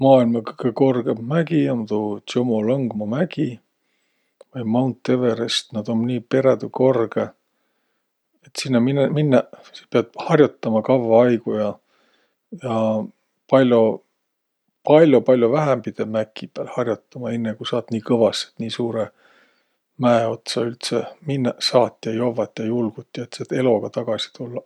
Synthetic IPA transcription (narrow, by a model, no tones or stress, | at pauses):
mɑːilmɑkkːeko̞rɡ̥emmæɡiont̪ut̪jomolɑŋɡ̥mɑmæɡ̥i | vɑjmɑwnt̪ːe̞veɾest̪nɑd̪̥omniːpe̞ɾed̪uko̞rɡ̥e | et̪sinːɑminminːɑsipeɑd̪̥̚hɑrʲjut̪ˑːɑmɑkɑvːɑɑjɡujɑ | jɑ | pɑlʲjo | pɑlʲjopɑlʲjovæɦempid̪̥emækˑːipɑlhɑrʲjut̪ːˑɑmɑe̞nːekusɑːt̪niːkɤvɑse̥t̪niːsuːɾe | mæeo̞t̪sɑylt̪seminːɑsɑːt̪ːˑjɑjo̞vːɑt̪ːˑjɑjulɡ̥ut̪ːˑiet̪set̪e̞lo̞ɡ̥ɑt̪ɑɡ̥ɑsi̥t̪ulːɑ